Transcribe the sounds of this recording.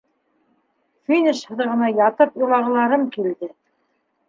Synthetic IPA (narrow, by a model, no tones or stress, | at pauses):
finʲɘʃhɤ̆ðʁɤ̆nɑjɑt̪ɤpjŏlˠɑʁɤ̆lˠɑɾɤmkild̪ɘ